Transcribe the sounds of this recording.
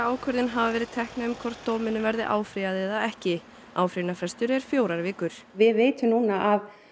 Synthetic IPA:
aːwkʰœɾðɪnɦavavɛːɾɪðt̪ʰɛhknaʏmkʰɔr̥t̪ːoːwmɪnʏvɛɾðɪ̰ʔa̰ːwfɾiaðɪðaɛhcɪ | aːwfɾiːnafɾɛst̪ʏɾɛɾ̥fjoːwɾaɾvɪːkʏɾ̥vɪðveːjt̪ʏnuːnaʔav

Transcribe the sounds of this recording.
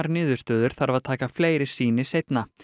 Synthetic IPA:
ɾnɪːðʏ̥st̪œːðʏɾ̥θaɾvaðt̪ʰaːkafleːjɾɪ̥siːnɪsejt̪na

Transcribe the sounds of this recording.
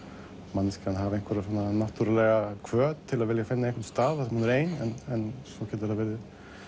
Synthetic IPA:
manːɪskʰanɦaːvaejŋkʰvɛɾafɛnːanat̪uɾalɛɣakʰvœːt̪t̪ʰːɪlaðvɪːljafɪnːaɛŋkvḁɾt̪st̪aːðasɛmhanɛɾeːjnɛnɛnsɔcʰɛːt̪ʏavɛːɾɪ

